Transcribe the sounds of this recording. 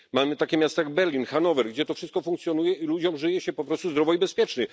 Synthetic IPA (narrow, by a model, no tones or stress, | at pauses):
mamɘt̪akʲɛmʲjast̪ajaɡ̚bɛɾlʲinxanɔvɛɾɡd͡ʑɛt̪ɔfʂɘst̪̚kɔfuŋk̚t̪sjɔnujɛilud͡ʑɔmʐɘjɛɕɛpɔpɾɔst̪uzd̪ɾɔvɔibɛspʲjɛt͡ʂɲɘ